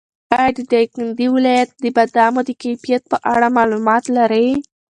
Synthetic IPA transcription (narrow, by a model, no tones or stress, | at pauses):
ɑjɑd̪əd̪ajkand̪iwɪlɑjat̪̚d̪əbad̪ɑmod̪əkajfijat̪̚pəʔaɽamɑlumɑt̪laɾəj